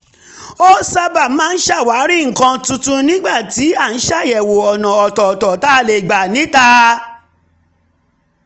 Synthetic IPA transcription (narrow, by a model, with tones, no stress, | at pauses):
o˦sa˧ba˦˨˦m˦ãː˦˧n̩˦ʃa˦˨wa˨˦ɾi˦˨ŋ̩˨kã˧tũ˧tũ˧nĩ˦ɡ͡ba˦˨ti˨˦a˦˨n̩˦ʃa˦˨jɛ˨wo˨ɔ˨nã˨ɔ˨tɔ˨tɔ˨ta˦˨le˨ɡ͡ba˨nĩ˨˦ta˦